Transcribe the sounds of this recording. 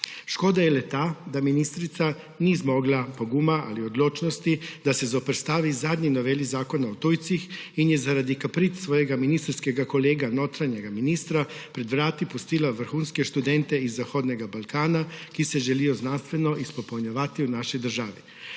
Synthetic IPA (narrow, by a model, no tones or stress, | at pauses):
ʃkoːd̪ajɛlɛt̪aːd̪aminist̪ɾit̪sa | nizmoɡlapo̞ɡumaʔa̰liod̪loːt͡ʃnost̪id̪asezopɾst̪aːʋizaːd̪ɲinoʋelizaːko̞naot̪ujt̪sixinjɛzaɾad̪ikapɾit̪sʋoːjeɡaminist̪ɾskeɡako̞leːɡanoːt̪ɾaɲeɡaminiːst̪ɾapɾed̪ʋɾaːt̪ipust̪ilaʋr̩xuːnskeʃt̪ud̪ent̪eizːaxod̪neɡabalkaːnakisɛʒelijoznanst̪ʋenoʔispopoɲaʋat̪iunaʃɔjd̪ɾ̩ʒaːʋi